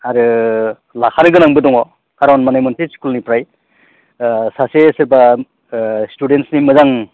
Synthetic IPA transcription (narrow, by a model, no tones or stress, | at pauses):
aɾɯ | lakʰanɯɡɯnaŋbɯdɔŋɔ | kaɾawnmanajmɔntʰeskulnipɾaj | sasesɯɾba | studentsnimɯzaŋ